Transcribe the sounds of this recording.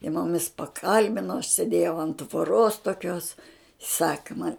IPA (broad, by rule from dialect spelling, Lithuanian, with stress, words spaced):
jiɛ mʊˈmʲɪs pɐˈkɐlʲbʲɪnoː ɐʃ sʲeːˈdʲeːjɛʊ ɐnt tʋoːˈroːs toːˈkʲoːs ˈsɑːkɐ mɐnʲ